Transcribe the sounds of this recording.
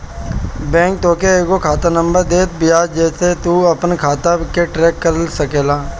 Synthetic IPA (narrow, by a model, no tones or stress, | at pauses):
bɛ̃ːŋk̚t̪oːkeeːkokʰaːt̪anə̃mbəɾd̪eːt̪̚bɪjaːd͡ʒɛːset̪uɐpnkʰaːt̪akeʈɾɛːkːəɾsɐkeːlaː